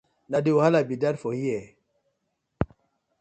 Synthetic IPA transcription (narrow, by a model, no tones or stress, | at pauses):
nadeuhalabidadfohijɛ